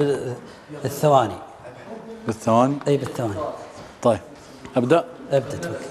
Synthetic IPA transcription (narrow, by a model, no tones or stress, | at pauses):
θːawaːni | bɪθːawaːniʔiːbɪθːawaːnit̪ˤɑjːb̚ | ʔabd̪aʔʔab̚d̪at̪ak